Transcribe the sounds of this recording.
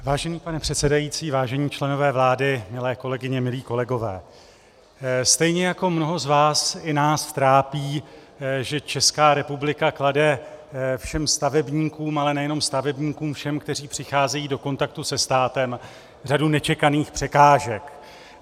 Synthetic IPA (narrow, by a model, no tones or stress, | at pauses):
vaːʒɛniːpanɛpr̥ɛt̪sɛdajiːt͡siːvaːʒɛɲiːt͡ʃlɛno̞vɛːvlaːdɪmɪlɛːko̞lɛɡɪɲɛmɪliːko̞lɛɡo̞vɛ̰ː | st̪ɛjɲɛjako̞mno̞ɦo̞zvaːsɪnaːsft̪ɾaːpiː | ʒɛt͡ʃɛskaːɾɛpublɪkakladɛ | fʃɛmst̪avɛbɲiːkuːmalɛnɛjɛno̞mst̪avɛbɲiːkuːmfʃɛmkt̪ɛriːpr̝̥ɪxaːzɛjiːdo̞ko̞nt̪ak̚t̪usɛst̪aːt̪ɛm | r̝adunɛt͡ʃɛkaniːxpr̥ɛkaːʒɛk